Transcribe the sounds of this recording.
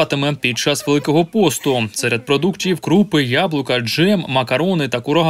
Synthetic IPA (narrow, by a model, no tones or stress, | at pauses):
t̪ɪmɛpʲid̚t͡ʃɑsʋelˠɪkɔɦɔpɔst̪ʊsɛɾʲɐd̪̚pɾɔd̪uktʲijiwkɾupɪjablˠʊkɐd͡ʒɛmːɐkɐɾɔnɪt̪ɐkʊɾɐɦ